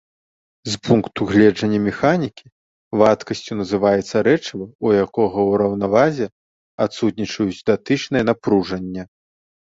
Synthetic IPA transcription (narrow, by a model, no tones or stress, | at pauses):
zpunkt̪uɣlʲɛd͡ʐɐnʲːɐmʲɛxanʲikʲi | vat̪kɐsʲt͡sʲunɐzɨvajɛt̪sːɐɾɛt͡ʂvɨujakɔɣɐwɾɐwnavazʲɛ | at̪sut̪ʲnʲit͡ʂɐjut͡sʲd̪at̪ɨt͡ʂnɐjɛnapɾuʐɐnʲːɐ